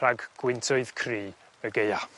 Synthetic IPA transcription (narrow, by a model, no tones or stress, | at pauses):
aɡɡ̥wɪntʰʊɨð̥kʰriː | əɡeja